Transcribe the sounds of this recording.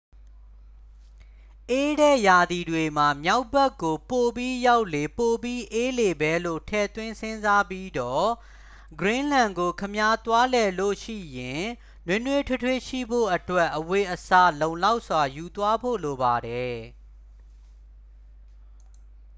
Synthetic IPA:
ʔe˦ɾɛ˦˨ja˨d̪i˨dwe˨ma˨mja˦ʊbɛ˦kːo˨po˨pji˦ja˦ʊʔle˨po˨pji˦ʔe˦le˨bɛ˦lo̰˦˨tʰɛ̰˦˨t̪wɪ̃˦nsɪ̃˦nza˦pji˦dɔ˦˨ | ɡɹɪ̃˦lã˨ŋɡo˨kʰəmja˦t̪wa˦lɛ˨lo̰˦˨ʃḭ˦˨jɪ̃˨ | nwɪ̃˦nwe˦tʰe˦tʰwe˦˨ʃḭ˦˨bo̰˦˨ʔətwɛ˦ʔːəwe˨ʔəsa˦˨lõ˨ʊ̃la˦ʊʔswa˨ju˨t̪wa˦bo̰˦˨lo˨ba˨ɾɛ˨

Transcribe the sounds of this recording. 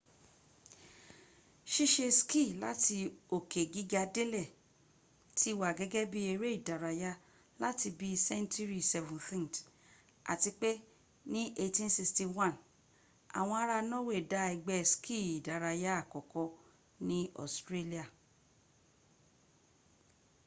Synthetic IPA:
ʃi˦ʃe˧ski˦˨la̰˦tʰi˧o˨kʰe˨ɡi˦ɡa˧de˦lɛ˦˨ | tʰi˦wa˨ɡɛ˦ɡɛ˦bi˦e˧ɾe˦i˦˨da˨ɾa˧ja˦ | la˦ti˧bi˦sɛ̃˦n˦tu˦ɾi˦sɛ˧vũ˨nfĩ˦n˨t | a̰˨ti˧k͡pe˦ | nĩ˦ʔe˧tĩ˦n˦si˧ksti˧wã˦˨n | a̰˨w̃ɔ̃˧a˦ɾa˧nɔ̃˦we˦˨da˦i˧ɡ͡bɛ˧skʰi˦˨i˨da˨ɾa˧ja˦a˦˨kɔ˨kɔ˧ | nĩ˦ɔ̰˨stɾe˦li˦a˨

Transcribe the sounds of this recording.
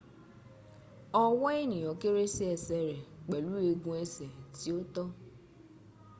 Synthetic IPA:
ɔ˦wɔ˦i˦nĩ˨ɔ˨ke˦ɾe˦si˦ɛ˨sɛ˨ɾɛ˨k͡pɛ˨lu˦e˧ɡũ˨˦ɛ˦sɛ˨ti˨˦o˦tɔ˦

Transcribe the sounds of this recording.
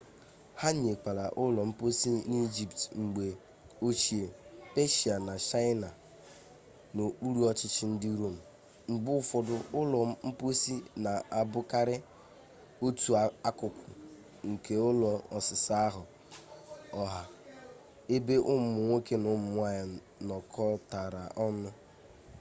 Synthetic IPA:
ha˦ɲ˦e˨k͡pa˨la̰˨ʔʊ˦lɔ˨m̩˦po˦si˦ni˦d͡ʒi˨ptŋ͡m̩˨ɡ͡be˨ | o˦t͡ʃi˨e˨pe˦ʃi˨a˨na˨t͡ʃa˦ɪ˦na˨ | no˨k͡pu˦ɾu˦ɔ˦t͡ʃɪ˦t͡ʃɪ˦n̩˦dɪ˦ɾo˦m̩˨ | ŋ͡m̩˨ɡ͡bʊ˦fɔ˨dʊ˨ʊ˦lɔ˨˦m̩˦po˦si˦na˨a˨bʊ˦ka˦ɾɪ˦ | o˦tu˨a˦kʊ˨kʷʊ˨ | ŋ̩˨kʰe˨ʊ˦lɔ˨ɔ˨sɪ˨sa˦a˦ɦʊ˨ | ɔ˨ɦa˨ | e˦be˦ʔʊ˦m˦˨ʊ˨ŋʷe˦ke˦nʊ˦m̩˦mʊ˦a˦˨ja˨ | nɔ˨kʰɔ˦ta˨ɾa˨ʔɔ˦nʊ˦

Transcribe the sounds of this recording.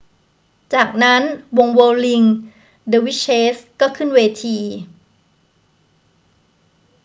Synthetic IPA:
t͡ɕaː˨˩k̚na˦˥nwo˧ŋwɤː˧li˧ŋ | də˧wi˦˥t͡ɕʰːeː˦˥skɔː˥˩kʰɯ˥˩nweː˧t̪ʰiː˧

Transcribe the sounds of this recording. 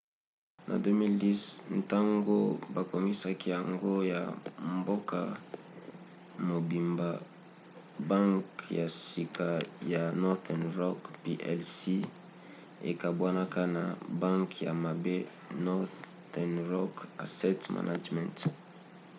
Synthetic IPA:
nʔa̰˨do˦mi˦ldi˦sn̩˨ta˦ŋɡo˦ba˨ko˨mi˦sa˦ki˦ja˨ŋɡo˦ja̰˨mbo˦ka˦˨ | mo˨bi˨mba˨ | ba˦ŋkja˨si˨ka˨ja˨nɔ˦tɛ˨nʁɔ˦kpi˦ʔɛ̰˦lsi˦ | ḛ˨ka˨bwa˦na˦ka˦na̰˨ba˦ŋkja˨ma˨be˦ | nɔ˦ | dɛ˨nʁɔ˦ka̰˨sɛ˦tma̰˨nʔa̰˦d͡ʒmɛ̰̃˨nt

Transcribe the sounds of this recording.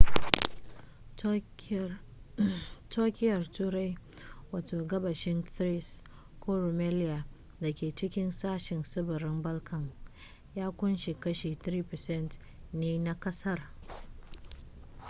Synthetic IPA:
toː˦kʲɪ˦jɐ˨rtuː˦ɾa˦j | waː˨toː˨ɡɐ˦bɐ˨ʃɪ˦ntɾi˦s | kʷʰoː˦ɾo˨mɛ˦lɪ˦ja˨ | da˨kʲeː˨t͡ʃɪ˦kʲɪ˦nsaː˦ʃɪ˨nsɪ˦bɐ˨ɾɪ˦mbɐ˦lkʰɐ˨ŋ | jaː˦kʷʊ˦nʃi˨kɐ˦ʃiː˨tɾiː˦pɛ˨sɛ˦˨nt | neː˦na˦kɐ˦sɐ˦r

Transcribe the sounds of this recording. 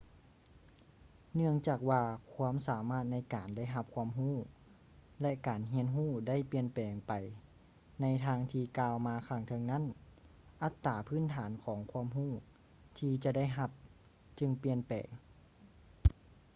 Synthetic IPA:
nɯ˥˩əŋt͡ɕaː˨˩k̚waː˧kʰu˧˥ə˨msaː˩˦maː˥˩t̪̚na˧˥˩jkaː˨˩nda˥˩˨jɦa˧p̚kʰu˧əmɦuː˥˩ | lɛ˧˥ʔkaː˨˩nɦi˧˥ənɦuː˥˩da˥˨jpi˧ənpɛː˨˩ŋpa˨˩j | na˧˥jt̪ʰaː˧˥ŋt̪ʰiː˧kaː˧wmaː˧kʰa˧˩ŋt̪ʰɤ˧ŋna˦˥˨n | ʔa˧˥t̪ːaː˨˩pʰɯː˥˨nt̪ʰaː˩˦nkʰɔː˨˦ŋkʰu˧ə˨mɦuː˥˩ | t̪ʰiː˧t͡ɕa˧da˥˩jɦa˧p̚ | t͡ɕɯ˧ŋpi˧ənpɛ̰ː˨˩ŋ

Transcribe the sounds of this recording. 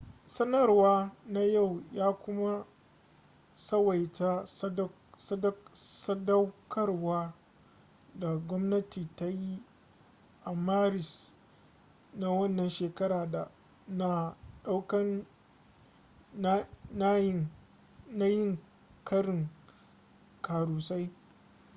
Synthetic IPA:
sɐ˦nɐ˦˨rwaː˦na˦ja˦˨wjaː˦kʷʊ˦ma˦ | sɐ˦wa˨jta˦ | sɐ˦dɐ˦wkʰɐ˦rwaː˦ | da˨ɡʷɔ˦mnɐ˦tʰiː˨ta˦ji˦ | ʔa˨maː˦ɾɪ˨s | na˦wɐ˦nːɐ˨nʃeː˨kɐ˦ɾaː˨da˨ | naː˨ɗa˦wkɐ˦n˦ | na˦ | na˦jɪ˦ŋ | kɐ˦ɾɪ˨ŋ | kaː˨ɾuː˨sa˦j

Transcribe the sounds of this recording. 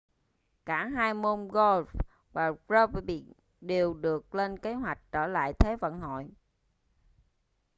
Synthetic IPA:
kaː˧˩ɦaː˧jmo˧nɣo˧lf | vaː˨˩ɹəː˦vɓḭ˧˨˩k | ɗe˨˩wɗɨ˨˩ək̚le˧nke˨˦ɦwa˨˩jk̟̚t͡ɕəː˧˩la̰ː˧˨jt̪ʰe˨˦və̰˧˨nho̰˧˨j

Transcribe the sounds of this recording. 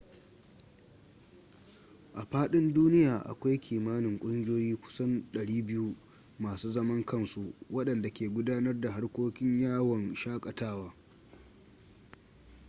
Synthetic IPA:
ʔa˨ɸaː˦ɗɪ˦nduː˦nɪ˦jaː˨ʔa̰˨kʷa˦jkʲʰiː˨maː˦nɪ˨ŋkʷʼʊ˦ŋɡʲɪ˦joː˦jiː˦kʷʊ̥˦sɐ˦nɗɐ˨ɽiː˦bɪ˦ju˦ | maː˨suː˦zɐ˦mɐ˦ŋkɐ˦nsu˦wɐ˦ɗɐ˨nda˨kʲeː˨ɡʷʊ˦daː˦nɐ˦rda˨ɦa˦rkʷoː˦kʲɪ˦ɲjaː˦˨wɐ˨nʃaː˦kʼɐ˨taː˦waː˦

